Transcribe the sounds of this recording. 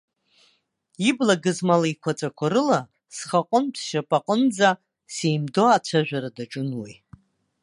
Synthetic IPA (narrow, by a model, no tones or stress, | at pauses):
iblaɡɨzmalajkʷʰat͡sʼakʷʰaɾɨla | sχaqʼənpʰʃapʼaqʼənd͡za | sejmdoat͡ʃʷʰaʒᶣaɾadaʈ͡ʂʼʊnwi